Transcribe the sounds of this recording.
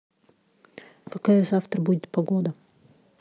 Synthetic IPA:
kɐkajəzaft̪ɾəbudʲɪt̪̚pɐɡod̪ə

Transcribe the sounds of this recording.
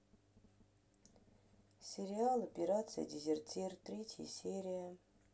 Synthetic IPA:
sʲeɾʲialˠopʲeɾat̪sɨja̰dʲizʲertʰʲirt̪ɾʲetʲʰjə̰sʲeɾʲijɐ

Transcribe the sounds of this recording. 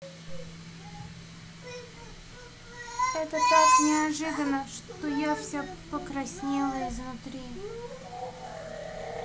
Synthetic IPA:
ɛt̪ət̪aknʲɪɐʐɨd̪ənːəʂt̪ojafsʲapəkɾɐsʲnʲilˠəɪznʊt̪ɾʲi

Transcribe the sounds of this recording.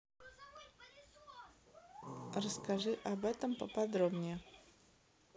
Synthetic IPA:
rəskaʐɨʔabɛt̪əmpəpɐd̪ɾobnʲɪjɛ

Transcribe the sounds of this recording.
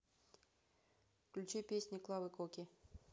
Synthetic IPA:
klʲut͡ɕepʲesʲnʲiklˠɑvɨkokʲi

